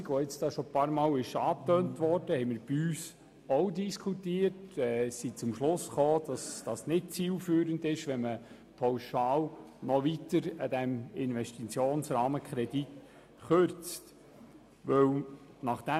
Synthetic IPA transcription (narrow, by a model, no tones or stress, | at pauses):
ɡʋɔɪt͡sd̥ɑːʃɔpɑɾmɑːwɪʃɑːtœːntʋɔrd̥əhɛɪmɪɾb̥iyːs | owdiskʰutiːəɾtɛːsit͡sʊmʃlʊsχoːd̥ɑsd̥ɑːsnɪt̚t͡siːlfyːɾəndɪʃʋɛmə | pʰɑwʃɑːlnɔʋitəɾəd̪æmɪnʋɛʃtit͡sjoːnsɾɑːməkχɾɛd̥it | χøɾt͡st | ʋɵw | nɑχd̥̪æ